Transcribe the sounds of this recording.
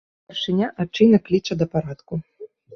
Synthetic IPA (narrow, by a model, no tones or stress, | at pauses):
ɛrʂɨnʲaʔat͡ʂɨjnɐklʲit͡ʂɐd̪ɐpaɾat̪ku